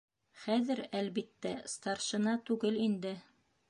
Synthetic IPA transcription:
χæðɘɾælβit̪ːæst̪ɑɾʃɤ̆nɑt̪ʉɡɘlind̪ɘ

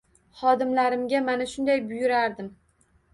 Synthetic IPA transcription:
χɒd̪ɪmlaɾɪmɡʲamanaʃʊnd̪ajbʊjʊɾaɾd̪ɪm

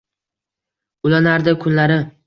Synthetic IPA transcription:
ʊlanaɾd̪ɪkʰʊnlaɾɪ

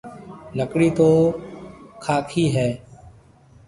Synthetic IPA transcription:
ləkɽiːt̪oː | kʰaːkʰiːɦɛː

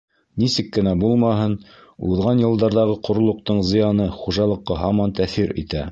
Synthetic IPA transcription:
nisɘkːɘ̆næbulˠmɑɦɤn | uðʁɑnjɤ̆lˠd̪ɑɾðɑʁɤqŏɾŏlˠŏq̚t̪ɤɴzɤ̆jɑnɤχuʒɑlˠɤ̆qːɑɦɑmɑnt̪æθiɾḭt̪æ

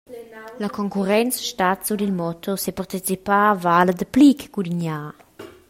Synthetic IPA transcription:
ləkʰɔŋkuʁɛnt͡sʃtat̪sud̪ilmɔt̪ʰosɛpaʁt̪it͡sipavaːləd̪əplikɡudiɲaː

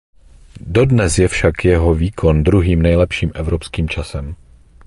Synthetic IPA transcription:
do̞dnɛsjɛfʃakjɛɦo̞viːkʰo̞ndɾuɦiːmnɛjlɛpʃiːmʔɛvɾo̞pskiːmt͡ʃasɛm

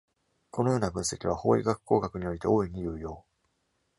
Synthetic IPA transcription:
ko̞no̞jo̞ːnabɯ̟̃ɰ̃se̞kʲiβ̞aho̞̰ːḭɡakɯ̥kːo̞ːɡakɯ̟ɲ̟io̞ɾʲit̪e̞̰o̞ːiɲ̟ijɯ̟ːjo̞ː

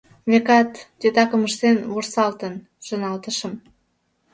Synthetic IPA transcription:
βekɑt̪ːet̪ɑkəməʃt̪enβorsɑlt̪ən | ʒ̥onɑlt̪əʃəm

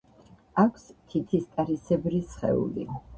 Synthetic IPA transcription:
akʷʰst̪ʰit̪ʰist̪ʼaɾisɛbɾisχɛ̰ṵlḭ

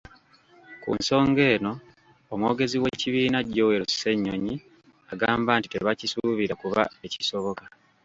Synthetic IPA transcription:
kṵnso̞ːŋɡe̞ːno̞ː | mwo̞ːɡe̞ziwe̞ciβiːnaɟo̞we̞ɾusse̞ɲːoɲi | aɡaːmbaːntiteβacisuβiɾakuβa̰e̞ciso̞βo̞ka

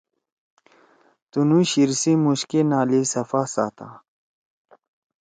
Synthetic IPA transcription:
t̪unuɕiɾsimuɕkinaːlisɐfasa̰ːt̪a̰

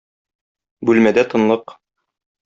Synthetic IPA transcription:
bʉlmæd̪æt̪ɤ̆nlˠɤq

